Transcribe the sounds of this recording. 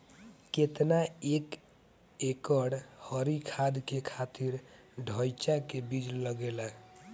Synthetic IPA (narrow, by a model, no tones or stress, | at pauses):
ket̪naek | ekəɽhəɾikʰad̪kekʰat̪iɾ | ɖʱəjt͡ʃakebid͡ʒləɡelə